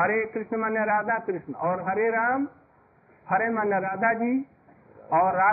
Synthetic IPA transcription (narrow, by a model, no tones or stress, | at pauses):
ɦəɾekɾɪʃnəmanjəɾaːd̪akɾɪʃnəɔːɾɦəɾeɾaːm | həɾemanjəɾaːd̪ʱad͡ʒi | ɔːɾaː